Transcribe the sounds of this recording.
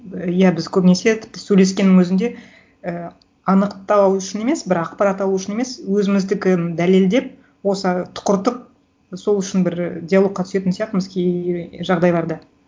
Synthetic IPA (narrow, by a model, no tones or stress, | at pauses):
jæbɪzkʲʰɵpne̞se̞t̪ʰɪ̥p̚t̪ɪsɵjle̞skʲe̞nːɪŋwɵzɪnd̪e̞ | ə | ɑnəqt̪ɑwwʏʃɪne̞me̞sbɪɾɑqpɑɾɑt̪ɑlˠuʏʃɪne̞me̞swɵzɪmɪzd̪ɪkʲɪd̪æle̞ld̪e̞p̚ | wo̞sət̪ʰʊ̥qʊɾt̪əp̚ | so̞lˠʏʃɪnbɪɾdʲijalˠo̞k̚qːɑt̪ʰʏse̞t̪ɪnsijɑq̚t̪əməzkʲʰeʒɑʁd̪ɑjbɑɾd̪ə